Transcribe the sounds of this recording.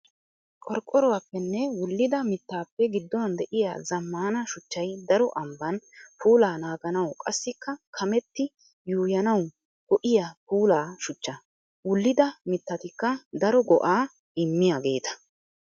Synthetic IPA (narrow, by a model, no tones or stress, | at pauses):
kʼɔɾkʼːɔɾɔwapːɛnːɛwʊlːɪd̪ɐmɪt̪ːaːpːɛɡɪd̪ːɔwɐnd̪ɛʔɪja̰ːzɐmːaːnɐʃʊt͡ʃːɐjd̪ɐɾɔʔɐmbɐnpʰuːlaːnaːɡɐnɐwkʼɐsːɪkːɐkʰɐmɛt̪ːɪ | juːjɐnɐw | ɡɔʔɪjapuːlaːʃʊt͡ʃːɐ | wʊlːɪd̪ɐmɪt̪ːɐt̪ɪkːɐd̪ɐɾɔɡɔʔaː | ɪmːɪjaɡe̞ːt̪ɐ̥